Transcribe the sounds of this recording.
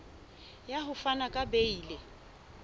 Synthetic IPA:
jaɦʊfanakʼabeiːle

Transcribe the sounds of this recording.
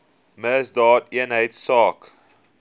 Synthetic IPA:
məsdɑːtiənɦəjtsɑːk

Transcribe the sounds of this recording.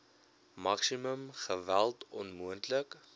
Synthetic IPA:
mɐksiməmχəvælˠtɔnmuəntlək

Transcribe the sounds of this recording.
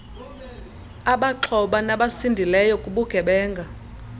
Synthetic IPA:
aɓaǁʰɔɓanaɓasindʱilɛjɔkʼuɓuɡ̥ʱɛɓɛːŋɡʱa

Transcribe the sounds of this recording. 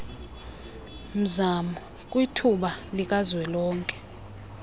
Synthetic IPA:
m̩zamɔ | kʼwitʰuɓalik̬ʼazwɛlɔːŋkʼɛ̥

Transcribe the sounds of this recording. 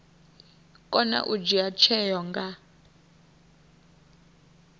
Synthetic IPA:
kʼɔna̰ʔud͡ʒiat͡ʃʰɛjɔŋɡa

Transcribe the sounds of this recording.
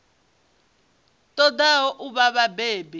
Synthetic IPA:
tʼɔdaɔʔuβaβabeːbi

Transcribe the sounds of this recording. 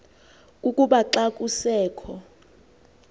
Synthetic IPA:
ukʼuɓaǁakʼusɛːkʰɔ

